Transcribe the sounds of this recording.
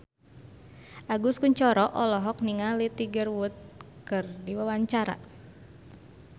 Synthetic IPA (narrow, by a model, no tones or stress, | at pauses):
ʔaɡuskuɲt͡ʃɔɾɔʔɔlɔɦɔk̚niŋalit̪iɡərwut̪̚kɨrdiwawaɲt͡ʃaɾa̰